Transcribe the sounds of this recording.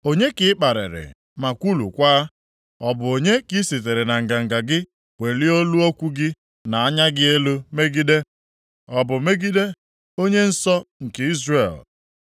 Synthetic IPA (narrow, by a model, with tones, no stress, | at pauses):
o˦ɲe˦kɪ˦ɪ˦k͡pa˨ɾɪ̰˨ɾɪ̰˨ | ma˨kʷu˦lṵ˨kʷaː˦ | ɔ˨bʊ˨o˨ɲe˦ki˦si˨t̬e˨ɾe˨na˨ŋ̩˨ɡa˨ŋ̩˨ɡa˨ɡɪ˦ | kʷe˨li˦o˦lu˦ɔ˦kʷu˦ɡɪ˦ | na˨a˦ɲa˦ɡɪ˦e˦lu˦me˦ɡi˦de˦ | ɔ˨bʊ˨me˦ɡi˦de˦ | o˦ɲe˦n̩˦sɔ˦ŋ̩˨ke˨i˦zre˨l